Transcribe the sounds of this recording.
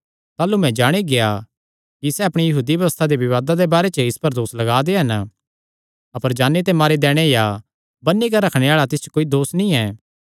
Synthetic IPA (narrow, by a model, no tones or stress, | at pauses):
t̪aːlumɛ̃d͡ʒaːɽ̃eɡea | kisɛɐpɽ̃ijɐɦuːd̪ibjɐʋəst̪ʰad̪eʋɪʋaːd̪ad̪ebaːɾet͡ʃəɪspɐɾd̪oːslɐɡaːd̪eɦɐn | ɐpəɾd͡ʒaːnːet̪̬emaːɾid̪ɛːɽ̃eja | bɐnːikaɾɐkʰɽ̃eaːɭat̪ɪst͡ʃə̥koːid̪oːsnĩɛː